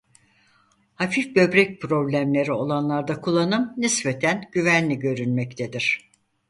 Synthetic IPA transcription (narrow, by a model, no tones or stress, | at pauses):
hafifbø̞bɾɛc̚pʰɾo̞blʲæmlʲe̞ɾio̞lˠanlˠaɾd̪akʰulˠːanɯmnɯsbet̪ʰænɟ̥yvænlʲiɟø̞ɾynmɛct̪ʰed̪iɾ̝̥